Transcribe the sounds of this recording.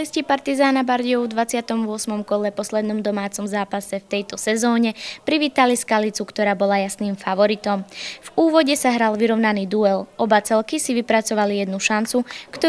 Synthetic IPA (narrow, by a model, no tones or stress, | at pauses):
liscipaɾt̪izaːnabaɾɟɔʊvd̪ʋat͡sɪat̪ɔmvʊɔsmɔmkɔlɛpɔslɛd̪nɔmd̪ɔmaːt͡sɔmzaːpasɛft̪ɛjt̪ɔsɛzɔːɲɛpɾiʋiːt̪aliskalit͡sukt̪ɔɾaːbɔlajasniːmfaʋɔɾit̪ɔmvuːʋɔɟɛsaɦɾalʋiɾɔʊnaniːd̪uɛlʔɔbat͡sɛlkisiʋipɾat͡sɔʋalijɛd̪nuʃant͡sukt̪ɔ